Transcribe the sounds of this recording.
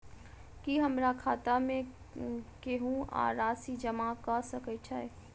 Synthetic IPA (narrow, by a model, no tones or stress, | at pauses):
kiɦɐmɾakʰaːt̪amẽ | keɦũa̰ːɾaːsid͡ʒɐmakasɐkət͡ʃʰaɛ